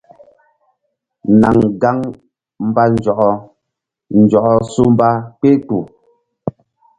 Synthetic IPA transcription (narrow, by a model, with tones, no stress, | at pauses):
na˨ŋɡa˦ŋ | m̩˦ba˦n̩˦d͡ʒɔ˨ʔɔ˦ | n̩˨d͡ʒɔ˨ʔɔ˦su˦m˦ba˦k͡pe˦tu˨